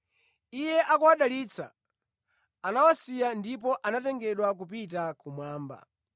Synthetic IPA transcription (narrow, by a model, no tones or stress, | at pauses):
ijɛʔakuwaɗaliːt͡sʰa | nawasijandip̬ɔʔanatɛŋɡɛɗwak̬up̬itakumwaːmba̰